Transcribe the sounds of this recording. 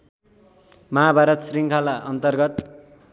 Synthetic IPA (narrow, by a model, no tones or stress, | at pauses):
mʌɦabʱaɾʌt̪sriŋkʰalaʔʌnt̪ʌrɡʌt̪